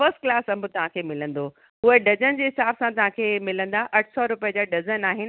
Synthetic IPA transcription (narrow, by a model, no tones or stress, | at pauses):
fɐsʈ̚klaːsɐmbʊt̪ɐʋ̤ãkʰeːmɪlə̃nd̪o | ʊɦeɖɐd͡ʑənɪ̆d͡ʑeːɦɪsaːbsãt̪ɐʋ̤ãkʰeːmɪlə̃nd̪aʔɐʈʰsɔɾʊpijəd͡ʑaɖɐd͡ʑənaːɦɪnɪ̆